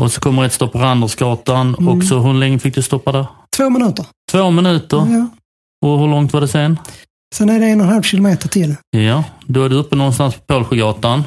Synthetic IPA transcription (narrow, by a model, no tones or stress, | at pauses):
ʔɔsɔ̥kʰɔmːəɾɛat̪st̪ɔpːaɾand̪asɡɑːt̪anɔksɔɦɵɾlɛŋːəfɪk̚d̪ɵst̪ɔpːad̪æɾt̪ʰvoːmɛnʉ̟ːt̪əɾt̪ʰvoːmɪnʉ̟ːt̪əɾ | ɔɦɵɾɭɔŋt̪vaɖɛseːn | sɛnæɖɛɛnɔnhalvɕɪlʊmeːt̪əʈʰɪljad̪ɔvad̪ɵɵpːənɔnst̪anspʰɔ̥pʰoːlɧʊɡɑːt̪an